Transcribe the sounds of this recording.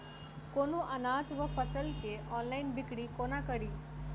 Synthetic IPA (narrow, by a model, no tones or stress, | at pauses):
konuʔənad͡zʋəfəsəlkeʔɔnlainbikɽiːkonakəɽiː